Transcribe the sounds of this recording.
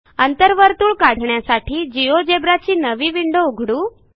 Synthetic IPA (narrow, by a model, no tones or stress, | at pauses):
ənt̪əɾʋəɾt̪uːɭkaɽ̤ʱɳjasaʈiːd͡ʑijod͡ʑebɾat͡ɕiːnəʋiʋiɳɖouɡʱɽuː